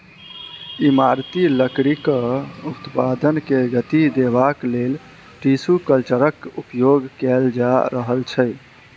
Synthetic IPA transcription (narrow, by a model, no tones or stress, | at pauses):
imaɾt̪iləkɾikəut̪pad̪ənkeɡət̪id̪ebaklel | ʈisukəlt͡ʃəɾəkupjoɡkɛld͡ʒaɾəɦəlt͡ʃʰɛ